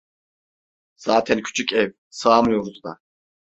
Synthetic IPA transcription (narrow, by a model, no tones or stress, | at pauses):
z̥aːt̪ʰɛnkʲʰy̥t͡ʃʰycʲɛv | saːmjoɾt̪ʰud̪a̰